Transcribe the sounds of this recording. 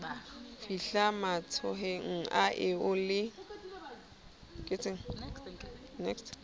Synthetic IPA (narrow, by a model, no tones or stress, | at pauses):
fiɬamat͡sʰɔɦeŋ̩aʔɪʊlɪ | kʼɪt͡sʰɪŋ̩ | nɛkst